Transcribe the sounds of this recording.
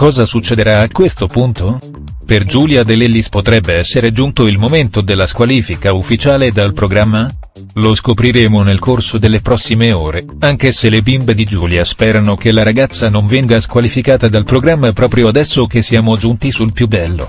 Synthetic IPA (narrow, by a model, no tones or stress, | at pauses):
kɔːzasut͡ʃːed̪eɾaːkːwest̪opunt̪o | perd͡ʒuːljad̪elelːispot̪ɾɛbːeɛsːeɾed͡ʒunt̪oilmoment̪od̪elːaskwaliːfikaufːit͡ʃaːled̪alpɾoɡɾamːa | loskopɾiɾeːmonelkorsod̪elːepɾɔsːimeoːɾe | aŋk̟eselebimbed̪id͡ʒuːljaspɛːɾanokelaɾaɡat̪sːanoɱvɛŋɡaskwalifikaːt̪ad̪alpɾoɡɾamːapɾɔːpɾjoad̪ɛsːokesːiaːmod͡ʒunt̪isulpjubːɛlːo̰